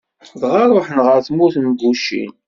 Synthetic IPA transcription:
ðʁaɾˤoħnʁəɾθmuθmɡuʃḭn

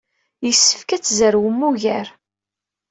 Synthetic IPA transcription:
jəsːə̥fkæt͡sːzəɾwəmːuʝæɾ

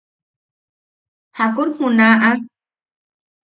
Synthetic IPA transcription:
hakuɾhunaʔa

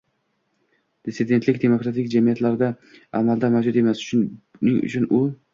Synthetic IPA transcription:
d̪̥ɪsɪd̪e̞nt̪lɪkʲd̪e̞mokɾat̪ʰɪkʲd͡ʒamijat̪laɾd̪a | amald̪amawd͡ʒʊt̪e̞masnɪŋʊ̰t͡ʃʰʊnʊ

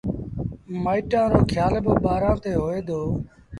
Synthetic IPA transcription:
maːiːʈãːɾoːkʰjaːlboɓaːɾãːt̪eːɦoːeːd̪oː

